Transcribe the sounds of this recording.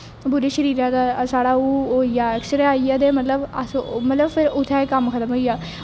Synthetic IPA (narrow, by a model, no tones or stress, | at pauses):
bʊɾeːʃəɾiːɾãːd̪aːsaːɽaːuːɦoːijaːɛksəɾeaːiaːd̪eːmət̪ləbəsmət̪ləbpʰɪɾʊt̪ʰːɛ̃ːkəmkʰət̪əmɦoːijaː